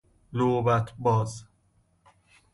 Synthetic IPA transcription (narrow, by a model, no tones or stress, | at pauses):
lobæt̪ʰbɒːz